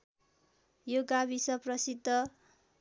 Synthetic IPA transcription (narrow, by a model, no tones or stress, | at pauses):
joɡabisʌprʌsid̪ʱːʌ